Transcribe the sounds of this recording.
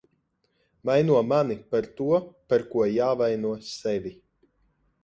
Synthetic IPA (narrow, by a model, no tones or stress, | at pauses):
vajnuɔmanipaɾt̪uɔpaɾkuɔjaːvajnuɔsɛvʲi